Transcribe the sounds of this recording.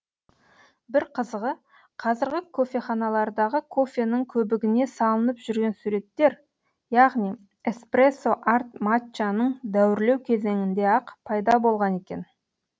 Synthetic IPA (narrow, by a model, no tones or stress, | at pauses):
bɪɾqʰəzəʁə | qʰɑzɪɾɡʲɪkʰo̞fʲe̞χɑnɑlˠɑɾd̪ɑʁəkʰo̞fʲe̞nɪŋkʲʰɵbɪɡʲɪne̞sɑlˠənəpʒ̥ʏɾɡʲe̞nsuɾe̞t̪ːe̞ɾ | jɑʁnij | espreso̞ʔart̪mat͡ʃanəɴd̪æwɪɾle̞wkʲʰe̞ze̞ŋɪnd̪e̞ɑqpʰɑjd̪ɑbo̞lˠʁɑne̞kʲe̞̰n